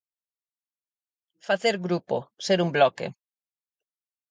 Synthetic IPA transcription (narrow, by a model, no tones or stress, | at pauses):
faθeɾɡɾupo̰seɾumblɔkḛ